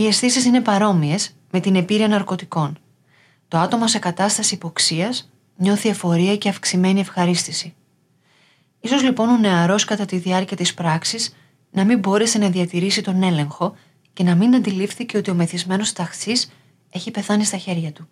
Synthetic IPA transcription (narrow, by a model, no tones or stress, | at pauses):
ie̞sθisisine̞pɐɾo̞mie̞z | me̞t̪ine̞piɾiɐnɐɾko̞t̪iko̞n | t̪o̞ɐt̪o̞mɐse̞kɐt̪ɐst̪ɐsipo̞ksiɐs | ɲo̞θiefo̞ɾiɐce̞ɐfksime̞nie̞fxɐɾist̪isi | iso̞zlipo̞no̞ne̞ɐɾo̞skɐt̪ɐt̪iðiɐɾciɐt̪ispɾɐksiz | nɐmimbo̞ɾe̞se̞nɐðiɐt̪iɾisit̪o̞ne̞le̞ŋxo̞ | ce̞nɐminɐnd̪ilifθice̞o̞t̪io̞me̞θizme̞no̞st̪ɐxsis | e̞çipe̞θɐnist̪ɐçe̞ɾʝɐt̪u